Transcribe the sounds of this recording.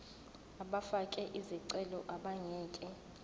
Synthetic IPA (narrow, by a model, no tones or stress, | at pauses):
aɓafakʼɛʔiziǀɛlɔʔaɓaŋɛːkʼɛ